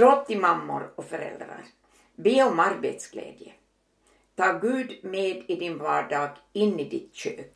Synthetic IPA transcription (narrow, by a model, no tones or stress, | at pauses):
ɾoːp̚t̪ɪmamːʊɾɔfœɾɛ̰ld̪ɾa̰ɾ | beːɔmaɾbḛt̪sɡ̥lḛːd̪jə | t̪ʰɑːɡʉ̟ːd̪meːd̪ɪd̪ɪnvɑ̰ːɖɑːɡɪnːid̪ɪt̪ɕøːk